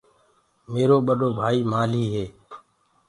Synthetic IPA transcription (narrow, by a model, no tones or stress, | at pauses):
meːɾoːɓəɗoːbʱaːiːmaːliːɦeː